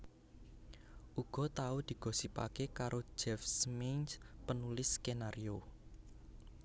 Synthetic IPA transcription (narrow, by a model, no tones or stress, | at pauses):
ʔuɡ̥ɔ̤t̪aud̪̥i̤ɡ̥o̤sipa̰kekaɾʔo̥d͡ʒɛfsminspənulɪskenaɾio